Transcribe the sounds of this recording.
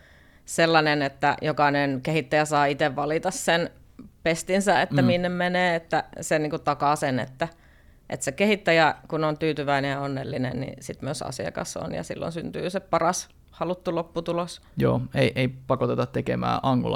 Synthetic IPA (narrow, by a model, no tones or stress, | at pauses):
selːɑnenet̪ːæjokɑnenkehit̪ːæjæsɑːit̪eʋʋɑlit̪ɑssen | pest̪insæḛt̪ːæmiinːemmeneːet̪ːæseniːŋkut̪ɑkɑsenḛt̪ːæ | ʔḛt̪sekehit̪ːæjækunont̪yːt̪yʋæinejɑonːelːinḛnnḭsit̪myøsɑ̰sḭɑ̰kɑ̰so̰njɑ̰sḭlːo̰nsynt̪y̰ːsepɑrɑs | hɑlut̪ːulopːut̪ulosjo̰ːeiʔeipɑkot̪et̪ɑt̪t̪ekemæ̰ːʔɑŋkulɑ̰